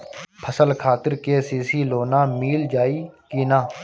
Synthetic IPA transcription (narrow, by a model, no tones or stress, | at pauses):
pʰəsəlkʰaːt̪ɪɾkeːsiːsiːloːnaːmiːld͡ʒaːiːkiːnaː